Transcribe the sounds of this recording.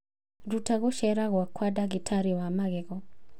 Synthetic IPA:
ɾutaɣɔʃɛɾaɣwakʰwadaɡitʰaɾiwamaɡɛɡɔ

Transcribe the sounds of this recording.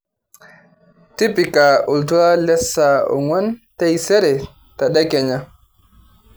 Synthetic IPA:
tipikaultuɾalɛsaɔ̰ŋwantajsɛɾɛ | taɗakɛɲa

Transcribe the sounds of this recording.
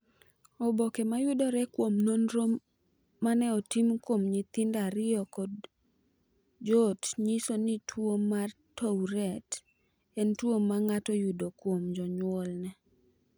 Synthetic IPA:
ɔbokɛmajʊdoɾɛkwomnonɾoː | anɛɔtimkwomɲɪt̪ɪndaɾɪɔkɔd | d͡ʒɔtɲisonitʰwomːa | towɾɛt | ɛntwomːaŋatɔjʊdokwomd͡ʒɔɲwɔlnɛ

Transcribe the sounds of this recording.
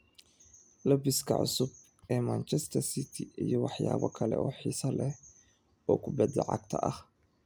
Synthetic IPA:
lɐbɪskʰɐ̰ʕʊ̰sʊb̚ | ɛːmaːnt͡ʃʰɛst̪ʰɐsit̪ʰɪijɞwɑħjaːβɔ̰kʰɐlɛ̰ʔɔːħiːsɐlɛ | ɔːkʰʊbɛd̪lɐ̰ʕɑ̰ɡ̚t̪ʰɐʔɐh

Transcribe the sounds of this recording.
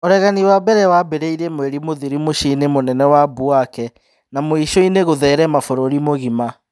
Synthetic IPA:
oɾɛɣaniwabɛɾɛwabeɾeiɾemwɛɾimoðiɾimoʃinemonɛnɛwabuakɛ | namoiʃɔineɣoðɛːɾɛmafoɾoɾimoɣima

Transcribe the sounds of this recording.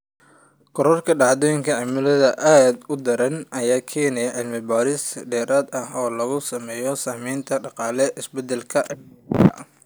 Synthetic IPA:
kʰɔɾɔrkʰɐɖɑʕd̪ɔːjɪŋkʰɐʕɪmɪlɐðɐʔaːd̪ʊd̪ɐɾɐnɐjaːkʰɛːnɛjɐʕɪlmɪbaːɾɪsɖɛːɾaːd̪ɐɦɔːlɐɣʊsɐmɛːjɔsɐːmɛːnt̪ʰɐɖɑqɑːlɛʔɪsbɛd̪ɛlkʰɐɐ

